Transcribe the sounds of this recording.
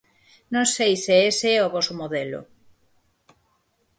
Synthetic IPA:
nõŋsejseeseɛoβɔsomoðelo̰

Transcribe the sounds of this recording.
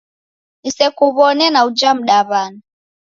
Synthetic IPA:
nisɛkuβɔnɛnaud͡ʒam̩ɗaβana

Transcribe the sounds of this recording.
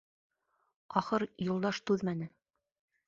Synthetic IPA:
ɑχɤɾjŏlˠd̪ɑʃt̪ʉðmænɘ

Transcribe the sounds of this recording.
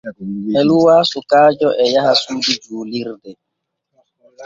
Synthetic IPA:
ɛluwasukaːd͡ʒɔʔɛjahasudid͡ʒuːliɾdɛ

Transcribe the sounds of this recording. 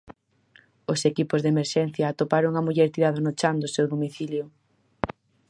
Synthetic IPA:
ʊsekipʊzðemeɾʃɛn̟θjaːt̪opaɾʊŋamuʎɛɾt̪iɾaðɐnʊt͡ʃand̪ʊsewðomiθiljʊ

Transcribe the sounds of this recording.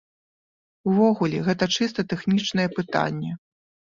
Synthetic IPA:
wvɔɣulʲɛɣɛt̪ɐt͡ʂɨst̪ɐt̪ɛxnʲit͡ʂnɐjɛpɨt̪a̰nʲːɛ

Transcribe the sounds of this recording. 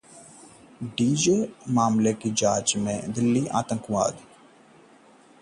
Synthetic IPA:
ɖiːd͡ʒeːmaːmlekid͡ʒaːt͡ʃmḛ̃d̪ɪlːiʔa̰ːt̪ə̃ŋkʋa̰ːd̪

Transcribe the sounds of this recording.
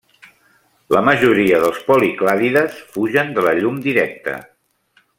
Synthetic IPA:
ləməʒuɾiəðəlˠspɔliklaðiðəsfuʒənd̪ələʎumd̪iɾɛk̚t̪ə̰

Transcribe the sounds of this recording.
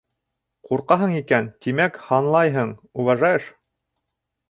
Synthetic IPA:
quɾqɑɦɤɴikænt̪imækhɑnlˠɑjɦɤɴuvɑʒɑjɤʃ

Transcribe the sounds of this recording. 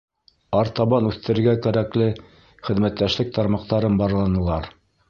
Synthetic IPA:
ɑɾt̪ɑβɑnʉθt̪ɘ̆ɾɘ̆ɾɡækæɾæklɘ | χɘ̆ðmæt̪ːæʃlɘk̚t̪ɑɾmɑq̚t̪ɑɾɤnbɑɾlˠɑnɤ̆lˠɑɾ

